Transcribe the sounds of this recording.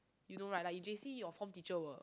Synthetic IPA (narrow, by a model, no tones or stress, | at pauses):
judõnɹajt̚laɪk̚jud͡ʒesijɔfɔ̃mtit͡ʃəwə